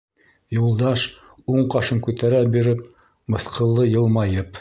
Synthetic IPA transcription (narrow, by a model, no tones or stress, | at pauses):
julˠd̪ɑʃ | uɴqɑʃɤŋkʉt̪æɾæbiɾɘp̚ | mɤ̆θqʰɤ̆lˠːɤjɤ̆lˠmɑjɤp